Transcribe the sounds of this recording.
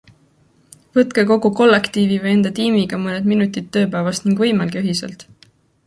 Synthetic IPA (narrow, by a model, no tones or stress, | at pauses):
vɤt̪ˑkeko̞ɡuko̞lːekt̪iːvivəje̞nd̪̥ɑt̪iːmiɡ̥ɑmɤned̪̥minut̪ʲːˑit̪̚ːø̞ːpæːvɑst̪niŋɡ̥vɤjmɑlɡ̥eyɦisḛlt̪ˑ